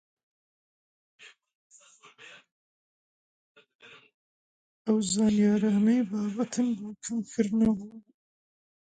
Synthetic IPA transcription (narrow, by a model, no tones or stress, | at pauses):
ɐwzɑːnijɑːɾɑːnejbɑːbɐt̪ʰɨnbuːkʰɐmkʰɨɾnɐbuː